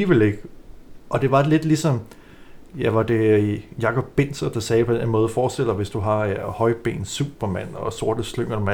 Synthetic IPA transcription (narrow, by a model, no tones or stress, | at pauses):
iʋele̝ɡ̥ʔɒ̽d̥e̝ʋɑ̈le̝d̥lisɒ̽m | jæʋɑ̈d̥e̝jɑ̈kʰɒ̽b̥̚ːe̝n̰sɐd̥ɑ̈sɛːpʰɒ̽d̥enmɔ̽ːð̞̩ˠfɒːd̥sel̰d̥ɑʋe̝sd̥uɦɑ̈hɒ̽ɪb̥e̝̰ːnsṵːb̥ɐmæn̰ɒ̽so̝ɐ̰d̥əsløŋ̰ɐ̥mæ